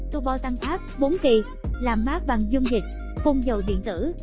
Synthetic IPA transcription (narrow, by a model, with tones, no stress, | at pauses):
t̪o˧ɓa˧˦wt̪a˧ŋfaː˦˥p̚ɓo˨˦nki˨˩ | laː˨˩mmaː˦˥k̚ɓa˨˩ŋzu˧ŋ͡mɲï˨˩k̟̚ | xo˧nzə˨˩wɗḭ˧˨ənt̪ɨ̰˧˥